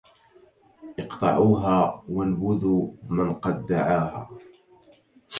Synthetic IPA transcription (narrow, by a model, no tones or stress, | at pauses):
ʔɨqt̪ˤɑ̰ʕuːɦaːwalwʊðuːmanqɑd̪ːaʕaːɦaː